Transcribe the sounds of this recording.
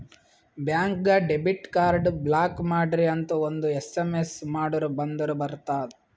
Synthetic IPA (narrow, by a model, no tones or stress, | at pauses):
bjaːŋkɡɐɖebiʈkaːɾɖblaːkmaːɖɾiɐnt̪ɐond̪uesemesmaːɽɐɾubɐnd̪ɐɾubɐɾt̪aːd̪